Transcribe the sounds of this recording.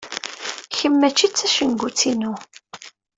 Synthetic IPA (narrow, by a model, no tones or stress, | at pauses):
çəmːæt͡ʃːit͡sːæʃəŋɡut͡sːinu